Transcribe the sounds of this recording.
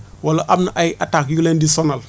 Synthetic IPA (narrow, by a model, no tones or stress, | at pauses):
walaʔabnaʔajiʔatakjulendisonal